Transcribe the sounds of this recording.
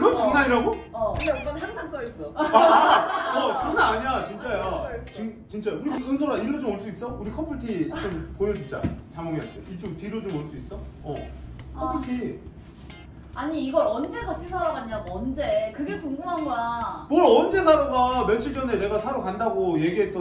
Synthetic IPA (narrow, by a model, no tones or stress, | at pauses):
iɡʌt͡ɕʌŋnaɲiɾaɡoʌʌbʌnɦansʰaŋs͈ʌis͈ʌ | ʌkɯnaaɲiat͡ɕint͡ɕ͈ajat͡ɕɯŋt͡ɕint͡ɕ͈ajokuɾioɯns̬ʰʌɾaiɾod͡ʑomoɭs͈uis͈ʌuɾikʰʌmpʰuɭtʰit͡ɕonpojʌd͡ʑud͡ʑa̰t͡ɕaŋwʌŋiʌntʰeit͡ɕ͈oŋtiɾod͡ʑomoɭs͈uis͈ʌʌkʰʌmpʰuɭtʰi | aɲiːɡʌɾʌnd͡ʑe̞kat͡ɕ͈ʰisʰaɾamaɲiaɡoʌnd͡ʑekɯɡetuŋɡuŋɦanɡʌjamʌɾʌnd͡ʑe̞sʰaɾamɡament͡ɕʰiɭd͡ʑʌne̞ne̞ɡasʰaɾokandaɡoje̞ɡiɦe̞t͈ʌ